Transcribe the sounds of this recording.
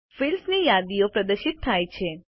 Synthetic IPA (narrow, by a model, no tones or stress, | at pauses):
fɪlsnijad̪ijopɾəd̪əʃɪt̪ʰːajt͡ʃʰe